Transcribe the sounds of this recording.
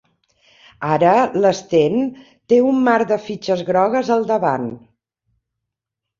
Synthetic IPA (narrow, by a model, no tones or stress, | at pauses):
aɾələst̪en | t̪eumːaɾd̪əfit͡ʃəzɣɾɔɣ̞əzəlˠd̪əβan